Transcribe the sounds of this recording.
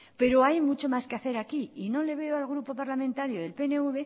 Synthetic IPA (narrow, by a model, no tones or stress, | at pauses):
pe̞ɾo̞ajmut͡ʃo̞maskeaθe̞ɾakiino̞le̞βe̞oalɣ̞ɾupo̞paɾlamẽnt̪aɾjoðe̞lpe̞ne̞uβe̞